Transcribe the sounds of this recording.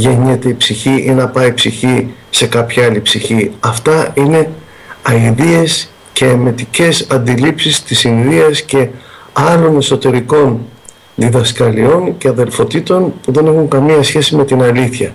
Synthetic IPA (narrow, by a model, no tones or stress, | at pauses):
ʝeɲet̪e̞ipsiçiʔinɐpɐipsiçise̞kɐpçɐɐlipsiçiɐft̪ɐine̞ | ɐiðie̞s | ce̞ːme̞t̪ice̞sɐnd̪ilipsist̪isinðiɐsce̞ | ɐɾo̞ne̞so̞t̪e̞ɾiko̞n | ðiðɐskɐlio̞ŋce̞ɐðe̞lfo̞t̪it̪o̞npuðe̞nexuŋkɐmiɐsçe̞sime̞t̪inɐliθçɐ